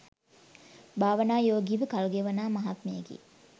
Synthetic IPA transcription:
baːʋənaːjoːɡiːʋəkɐlɡeʋɐnaːmɐɦat̪meːɡḭ

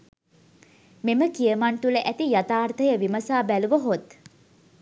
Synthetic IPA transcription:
meməkijəmant̪uləʔæt̪ijat̪aːrt̪ʰəjəʋiməsaːbæluʋəɦot̪

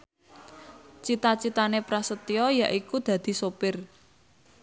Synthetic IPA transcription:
t͡ʃit̪at͡ʃit̪anepɾasət̪iɔjaʔikud̪̥ä̤d̪̥i̤sopɪr

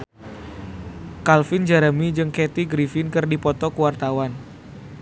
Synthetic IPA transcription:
kalfɪnd͡ʒaɾamid͡ʒɨŋket̪iɡɾifɪnkɨrdipɔt̪ɔkəwart̪awan

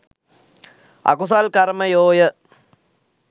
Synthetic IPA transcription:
ɐ̰kusaːlkɐɾmɐjoːjɐ

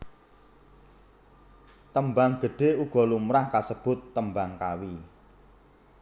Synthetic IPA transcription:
t̪əmbaŋɡ̥ə̤ɖ̥e̤uɡ̥ɔ̤lumɾahkasəb̥ʊt̪ːəmbaŋkawi

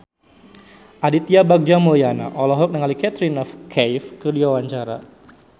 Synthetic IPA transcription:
ʔadit̪iabak̚d͡ʒamuliana̰ʔɔlɔɦɔk̚nəŋalikɛt̪ɾinɔfkʰɛjfkədiwawaɲt͡ʃaɾa̰

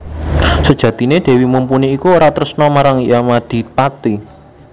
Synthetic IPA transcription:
səd̥ʒ̥ä̤t̪ined̪̥e̤wimumpuniːkuoɾat̪əɾəsnɔmaɾaŋjamad̪̥i̤pat̪i

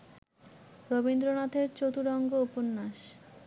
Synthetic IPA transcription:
ɾobind̪ɾonat̪eɾt͡ɕot̪uɾɔŋɡouponːaʃ

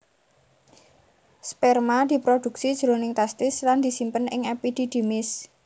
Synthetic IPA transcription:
spɛrmad̪̥i̤pɾod̪̥ṳksid̥ʒ̥ɾo̤nɪŋt̪ɛst̪ɪsland̪̥i̤simpənɪ̰ŋepid̪̥id̪̥e̤mɪs

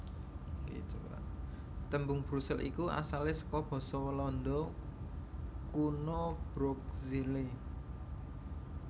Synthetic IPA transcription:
kḭt͡ʃowa̰ | t̪əmbʊŋb̥ɾusɛlʔḭkua̰salɪsə̥kɔb̥ɔ̤sɔwəlɔnd̪ɔ | kunob̥ɾok̚zili

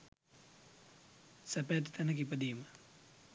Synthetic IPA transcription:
sapɛt̪i̥t̪anəkipəd̪iːmə

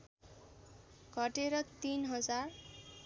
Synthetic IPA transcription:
ɡ̥ʱʌʈeɾʌt̪inɦʌd͡zar

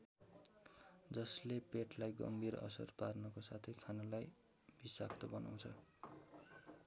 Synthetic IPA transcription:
d͡zʌslepeʈlajɡʌ̰mbʱiɾʌ̰sʌ̰rparnʌkosat̪ʰijkʰanalaj | b̥isa̰k̚t̪ʌbʌna̰w̃t͡sʰʌ

